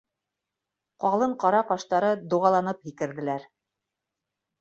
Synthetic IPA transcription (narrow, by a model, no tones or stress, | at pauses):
qɑlˠɤɴqɑɾɑqɑʃt̪ɑɾɤd̪uʁɑlˠɑnɤphikɘ̆ɾðɘ̆læɾ